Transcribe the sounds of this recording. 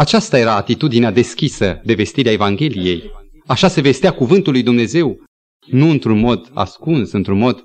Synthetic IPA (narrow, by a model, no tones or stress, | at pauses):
at͡ʃast̪aje̞ɾaːt̪it̪ud̪inead̪e̞skʲisəd̪e̞ve̞st̪iɾeae̞vaŋɡʲe̞lije̞̰j | aʃase̞ve̞st̪eakuvɨnt̪ulːujd̪umne̞ze̞w | nuɨnt̪ɾunmo̞d̪a̰skunsɨnt̪ɾunmo̞d̪̥